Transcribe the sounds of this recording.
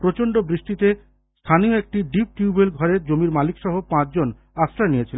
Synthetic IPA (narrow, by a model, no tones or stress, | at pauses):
pɾot͡ɕoɳɖobɾiʃʈit̪e | st̪ʰanioek̚ʈiɖip̚ʈjuubelɡʱɔɾeɾd͡ʑomiɾmalikʃɔɦopãt͡ɕd͡ʑon | asɾanijet͡ɕʰilen